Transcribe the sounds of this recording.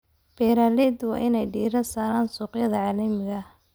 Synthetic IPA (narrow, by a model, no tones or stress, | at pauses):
b̥ɛːɾaːlɛːd̪wɑ̰ːʔɪnɛjɖiːɾɐsaːɾaːnsuːqjɐðɐʕɑːlɐmɪɣɐ